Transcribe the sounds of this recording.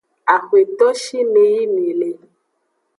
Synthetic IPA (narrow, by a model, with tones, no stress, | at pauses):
a˨xwe˨t̪ɔ˦ʃi˦ne˨ji˦ne˨lɛ˨